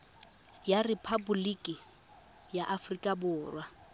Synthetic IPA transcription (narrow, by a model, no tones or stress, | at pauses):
jarɪpʰabulikʼi | jaʔafrikʼabʊːrwa